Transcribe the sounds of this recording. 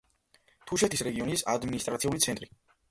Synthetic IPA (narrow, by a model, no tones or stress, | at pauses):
t̪ʰuʃɛt̪ʰisɾɛɡiɔnisa̰d̪minist̪ʼɾat̪sʰiulit̪sʰɛnt̪ʼɾi